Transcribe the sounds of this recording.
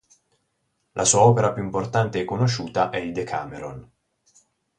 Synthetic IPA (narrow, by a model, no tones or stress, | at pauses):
lʔasuːaɔːpeɾapjuimport̪ant̪eɛkːonoʃuːt̪aʔɛid̪ekʰa̰ːmeɾon